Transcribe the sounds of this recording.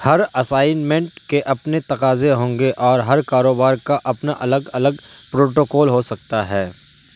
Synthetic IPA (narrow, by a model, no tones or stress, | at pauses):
hɐɾɐsaːɪnmɛ̃ɳʈkeʔɐpnet̪ɐqaːzeɦõːŋɡeʔɔːɾɦɐɾkaːɾoːbaːɾkaʔɐpnaʔɐləɡɐləɡ | pɾoːʈoːkɔːlɦosɐk̚t̪aɦɛː